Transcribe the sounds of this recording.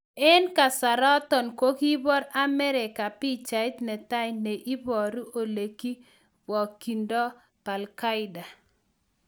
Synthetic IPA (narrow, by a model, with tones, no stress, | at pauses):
ɛ˦nka˨sa˨ɾɔ˦t̪ɔ˨nkwo˦ki˦bɔ˦ɾa˦mɛ˦ɾɛ˨ka˨pi˦t͡ʃa˨ɪ˦t̪nɛ˨t̪a˦jne˨ʔi˦bɔ˨ɾu˦ʔo˨le˨ki˦ | bɔ˨kːi˨ndɔ˦ | pa˨lka˦ɪ˦da˨